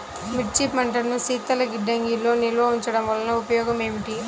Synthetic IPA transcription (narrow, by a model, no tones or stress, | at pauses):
miʈ̚t͡ʃipmɐɳʈɐnusiːt̪ːɐlɐɡiɖːɐŋɡilːo̞ːnilɐʋɐuɲt͡ʃɐɽɐmʋɐlɐnɐupɐjɔːɡɐmeːmiʈi